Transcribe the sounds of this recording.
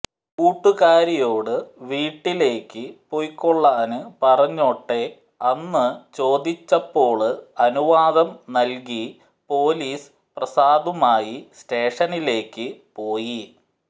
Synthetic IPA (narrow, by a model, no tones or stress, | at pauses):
kuːʈːuɣaːɾijo̞ːɽɨʋiːʈːile̞ːkːɨpojkːoɭːaːɐnɨpɐrɐɲːo̞ːʈːe̞ | ɐnːɨt͡ɕo̞ːd̪it͡ɕːɐpːo̞ːɭɨɐnuʋaːðɐmnɐlk̬i | po̞ːliːs | prɐsaːd̪umaːjisteːʂɐnile̞ːkːɨpo̞ːji